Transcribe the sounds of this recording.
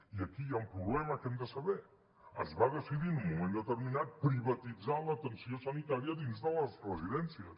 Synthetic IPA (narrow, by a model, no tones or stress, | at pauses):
iəkiaumpɾuβlɛmɐkemd̪əsɐβe | ə̰zβaðəsiðinumumẽnət̪əɾminat̪̚pɾiβɐt̪id͡zanlˠət̪ənsiosənit̪aɾjɐðinzðəlˠɐzrəziðɛnsiɐs